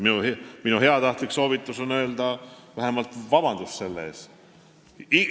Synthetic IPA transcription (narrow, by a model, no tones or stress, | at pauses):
miuhminuɦe̞ɑt̪ɑht̪likso̞ːvit̪ːˑuso̞nø̞ːld̪̥ɑvæɦe̞mɑlt̪vɑbɑnd̪̥usse̞lːḛːs | i